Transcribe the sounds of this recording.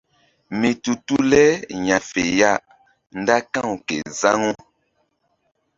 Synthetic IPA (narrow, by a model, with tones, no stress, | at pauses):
mi˨tu˨tu˦lɛ˦ɲa˨fe˨ja˦˨ | n˦da˦kã˦˨wkḛ˨za˦ŋo˦